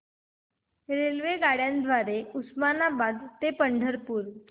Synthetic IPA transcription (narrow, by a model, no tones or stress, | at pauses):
ɾelʋeɡaɽjãnd̪ʱʋaɾeusmanabad̪t̪epəɳɖʱəɾpuːɾ